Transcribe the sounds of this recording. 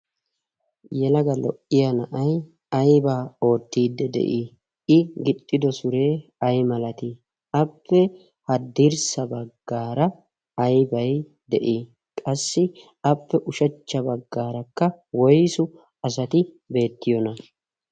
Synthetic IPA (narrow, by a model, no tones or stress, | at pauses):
jɛlɐɡɐlɔ̰ʔɪjɐnɐʔɐj | ɐjbaːo̞ːt̪ːiːd̪ːɛd̪ɛ̰ʔi | ɪɡɪt̪ʼːɪd̪ɔsʊɾe̞ːɐjmɐlɐt̪ɪ | ɐpːɛ | hɐd̪iɾsɐbɐɡːaːɾɐ | ɐjbɐj | d̪ɛ̰ʔi | kʼɐsːɪ | ɐpːɛʔʊʃɐt͡ʃːɐbɐɡːaːɾɐkːɐ | wɔjsʊ | ɐs̬ɐt̪ɪ | be̞ːt̪ːɪjɔnɐ